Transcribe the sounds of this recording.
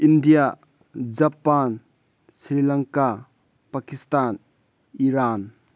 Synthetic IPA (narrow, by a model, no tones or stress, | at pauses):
ʔindija | d͡ʒɐpan | sɾilɐŋka | pakist̪an | iɾan